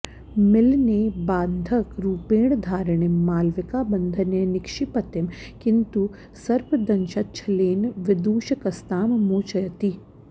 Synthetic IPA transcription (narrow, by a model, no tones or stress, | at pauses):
mɪlneːbaːnd̪ʱɐkɾuːpeːɳd̪ʱaːɾəɳ̃emaːlʋɪkabɐnd̪ʱɐnenɪkʃipɐt̪ɪmkɪnt̪u | sɐɾpʰd̪ɐnʃɐtːt͡ʃʰɐleːnʋɪd̪uːʃɐkɐst̪aːmmoːt͡ʃɐjɐt̪i